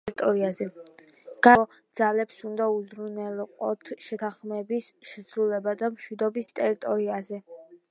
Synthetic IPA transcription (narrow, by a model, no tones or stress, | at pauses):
t̪ʼɔɾiazɛ | ɡ̥a | d̪z̥alɛpsund̪auzɾunɛlqʼɔt̪ʰʃɛt̪ʰaχmɛbisʃɛsɾulɛbad̪amʃwid̪ɔbist̪ʼɛɾit̪ʼɔɾiazɛ